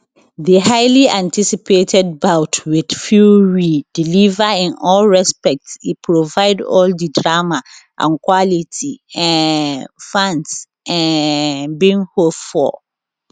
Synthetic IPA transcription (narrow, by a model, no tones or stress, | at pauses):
ðəɦaɪliãntʰisipʰetʰɛd̚baʊtʰwɪd̥fjuɹid̥ilivaɪ̃nɔlɹɛspɛk̚tsipʰɹovaɪdɔ̰ldədɹamaʔã̰nkʰwalitʰiɛ̃ | fãns | ɛ̃ | bĩŋhopfɔ̰